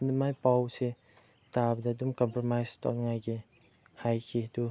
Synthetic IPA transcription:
numajpawse | tabɐdadumkɔmpɾomajstɔ̰nŋajɡi | hajkʰidu

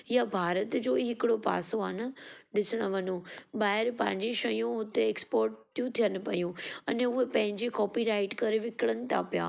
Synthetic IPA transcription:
jabʱaːɾət̪d͡ʑoːiɦɪkɪɽopa̰ːsoaːnəɗɪsəɽ̃əʋɐnũɓaːɦɪɾpɐ̃ɦɪ̃ɲd͡ʑiʃɐjũʊt̪eeːkspɔːɾʈt̪ʰijũt̪ʰijənɪ̆pɐjũɐnʊɦepɐ̃ɦɪ̃ɲd͡ʑikɔːpiɾaːɪʈkɐɾeʋɪkɪɽənɪ̆t̪ʰa̰pja̰ː

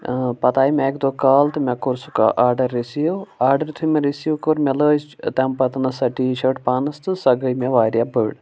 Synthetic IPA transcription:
pɐt̪aːimɛekd̪okaːlt̪ɨmʲɛ̃koɾsuka̰ʔaːɾɖɐɾːisijoaːɾɖɐɾt̪ʰumeɾisijokoɾmʲeləːst̪ɛmpɐt̪ɐnɐsɐʈiːʃɐʈpaːnɐst̪ɨsɐɡəjmʲẽʋaːɾʲjabəːɽ

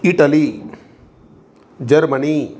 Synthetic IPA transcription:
iʈəli | d͡ʒɐɾməni

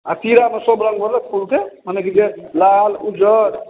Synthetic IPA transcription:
a̰t̪iɾamesobɾəŋɡbɔɾlepʰulkemənekid͡ʒelalud͡ʒəɾ

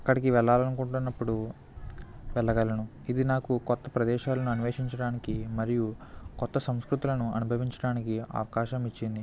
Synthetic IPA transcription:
ɐkːɐɽikiʋɛɭːaːlɐnkuɳʈunːɐpːuɽu | ʋɛɭːɐɡɐlɐnu | id̪inaːkukɔt̪ːɐpɾɐd̪ɛːʃaːlɐnuɐniʋeːʃiɲt͡ʃɐɽaːnikimɐɾijukɔt̪ːɐsɐmskɾut̪ulɐnuɐnubʱɐʋiɲt͡ʃɐɽaːnikiɐ̰ʋɐkaːʃɐmit͡ʃːind̪i

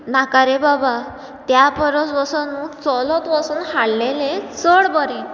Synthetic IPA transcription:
nakaɾebaba | t̪japəɾət͡sʋəsɔnũt͡sɔlɔt̪ʋəsuːnhaɽlelẽt͡səɽbəɾin

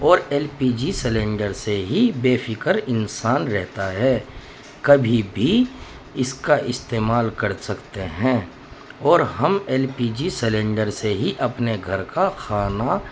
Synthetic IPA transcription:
ɔːɾɛːlpiːd͡ʒisɛlẽːɳɖəɾseɦibeːfʰɪkəɾɪnsaːnɾɛɦt̪aɦɛː | kɐbʱibʱi | ɪskaʔɪst̪eːmaːlkəɾsɐkt̪eɦɛ̃ː | ɔːɾɦɐmɛːlpiːd͡ʒisɛlẽːɳɖəɾseɦiʔɐpneɡʱɐɾkaxʰaːna

